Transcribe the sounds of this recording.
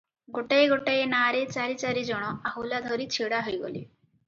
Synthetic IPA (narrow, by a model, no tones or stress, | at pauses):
ɡoʈaeɡoʈaenaːɾet͡ʃaɾit͡ʃaɾid͡ʒɔɽ̃ɔaɦulad̪ʱɔɾit͡ʃʰiɽaɦɔjɡo̰lḭ